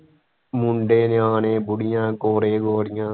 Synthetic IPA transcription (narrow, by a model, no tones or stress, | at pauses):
mʊɳɖeːnɪaːneːbʊɽɪjãːkoːɾeːɡoːɽɪjãː